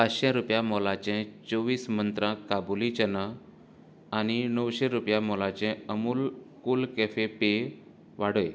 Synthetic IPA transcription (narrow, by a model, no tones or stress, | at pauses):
pat͡sɕẽɾupjamɔlãt͡ɕɛ̃t͡soʋiːsmənt̪ɾãkabulit͡ɕənaː | ñinəwɕẽɾupjamɔlãt͡ɕɛ̃əmuːlkuːlkɛfepe | ʋaɽoj